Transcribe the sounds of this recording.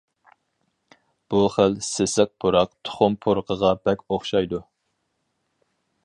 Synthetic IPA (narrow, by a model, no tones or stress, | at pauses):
b̥uχəlsesɛk̚pʰuɾɑq̚t̪ʰʊ̥χʊmpʰʊɾqʰəʁɑbɛkʲoχʃɑjd̪u